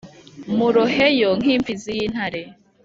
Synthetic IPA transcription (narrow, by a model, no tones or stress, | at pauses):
muɾohejoŋ̥iːmfizijiːn̥haɾe